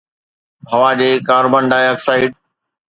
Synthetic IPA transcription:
bʱɐʋaːd͡ʑeːkaːɾbə̃ɳɖaːɐksaːɪɖ

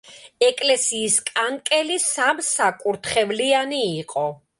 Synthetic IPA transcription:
ɛkʼlɛsiːskʼankʼɛlisamsakʼuɾt̪ʰχɛvlianiːqʼɔ

